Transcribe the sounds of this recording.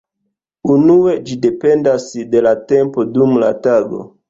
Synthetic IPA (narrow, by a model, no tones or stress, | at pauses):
unue̞d͡ʒide̞pe̞ndasde̞late̞mpo̞dumla̰taɡo̞̰